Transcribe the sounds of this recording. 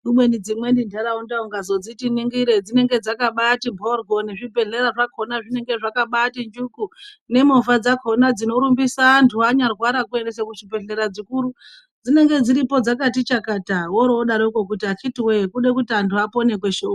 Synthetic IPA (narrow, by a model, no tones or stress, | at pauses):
ɗumwe̞nid͡zimwe̞ndindʱaɾaundauŋɡazo̞d͡zitiniŋɡiɾe̞d͡zine̞ŋɡe̞d͡zakaɓatimbʱorɡʱo̞neʐibe̞ɮe̞ɾaʐakʰonaʐine̞ŋɡe̞ʐakaɓatind͡ʒukune̞mofad͡zakʰo̞nad͡zino̞ɾumbisaːntʰuaɲarwaɾakue̞ndes̬ekuʐipe̞ɮe̞ɾad͡zikuɾu | d͡zine̞ŋɡe̞d͡ziɾipo̞d͡zakatit͡ʃakatawoɾoɗaɾoiko̞k̬utiakʰitiwekuɗe̞kutiantʰuapo̞ne̞k̬we̞ʃo